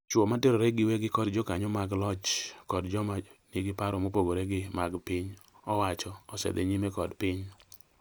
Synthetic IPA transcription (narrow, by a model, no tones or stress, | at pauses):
t͡ʃɔmatɪɾɔɾɛɡɪwɛɡɪkɔdd͡ʒɔkaɲɔmaɡlɔt͡ʃkɔdd͡ʒɔmaniɡɪpaɾɔmopoɡoɾɛɡɪmaɡpɪɲ | ɔwat͡ʃɔɔsɛ̰d̪ɛ̰ɲimɛkɔdpɪɲ